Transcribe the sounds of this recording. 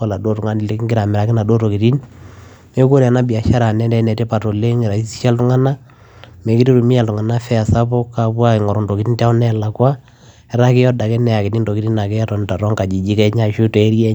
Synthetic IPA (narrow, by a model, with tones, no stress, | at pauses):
a˨la˨do˦tu˨ŋa˦ni˨le˦ki˦ŋɡɪ˦ɾa˨mɛ˨ɾa˨kɪ˦na˨do˦to˨ki˨ti˦n | e˦ko˦ɾa˨na˦bi˨a˨ʃa˦ɾa˨nɛ˦ndɛ˨˦nɛ˨te˦pa˨to˨le˦ŋi˨ɾa˨i˦si̥˦ʃa˦ltu˦ŋa˦na˦ | mɛ˨ki˦ti˦ɾu˨mi˦ja˨ltu˨ŋa˨na˦fɛ˦a˨sa˦po˦kːa˨pwa˦e˨ŋɔ˨ɾɔ˨ndo˨ki˨ti˦ntɛ˦ɔ˦nɛ˦la˨kwa˦ | ɛ˦ɾa˦kɪ˦jɔ˦da˨kɛ˦nɛ˨a˨ki˨ti˦ndo˨ki˦ti˦na˨kɛ˦ja˦tɔ˨n˨ta˨ɾɔ˦ŋka˨d͡ʒi˨d͡ʒi˦kɛ˦ɲa˦˨ʃu˦tɔ˨ɛ˦ɾjɛ˦